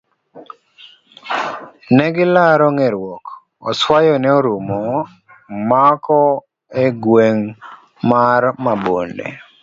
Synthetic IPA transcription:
nɛɡɪlaɾɔŋeɾwɔk | ɔswajɔnɛoɾumɔ | makɔ | eɡweŋ | marmabondḛ

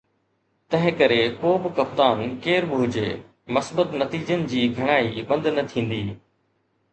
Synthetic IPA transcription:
t̪ɐ̃ɦɪ̃kɐɾekoːbɪkɐp̚t̪aːnkeːɾɓɪɦʊd͡ʑḛː | mɐsbət̪nɐt̪iːd͡ʑənɪ̆d͡ʑiːɡʱɐɽ̃aːiɓɐ̃nd̪nɐt̪ʰĩːn̆d̪iː

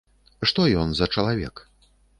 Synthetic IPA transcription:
ʂt̪ɔjɔnzɐt͡ʂɐlˠavʲɛ̰k

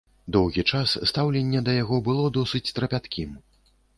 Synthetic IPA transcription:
d̪ɔwɣʲit͡ʂasːt̪awlʲɛnʲːɛd̪ɐjaɣɔbɨlˠɔd̪ɔsɨt͡sʲt̪ɾɐpʲat̪kʲʰim

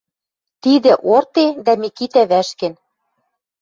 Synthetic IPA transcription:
t̪id̪ɘ̆ʔort̪ed̪æmikit̪æβæʃkɘ̆n

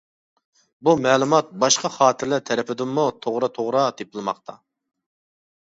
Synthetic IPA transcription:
bumɛːlˠumɑt̪̚bɑʃqʰɑχɑːt̪ʰɪɾlæɾt̪ʰɛɾɛpɪd̪ɪmːut̪ʰoʁɾɑt̪ʰoʁɾɑt̪epɨlˠɨmɑqt̪ʰɑ

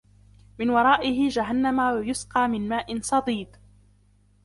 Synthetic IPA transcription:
mɪnwɑɾˤɑːʔɪhɪd͡ʒaɦanːamawjʊsqɑːmɪnmaːʔɪnsˤɑd̪ˤiːd̪

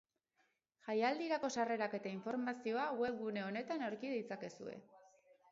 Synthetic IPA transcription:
ʝajald̪iɾako̞sare̞ɾake̞t̪aiɱfo̞ɾmasio̞awe̞βɡune̞o̞ne̞t̪anoɾkið̞ejt͡sake̞sue̞̰

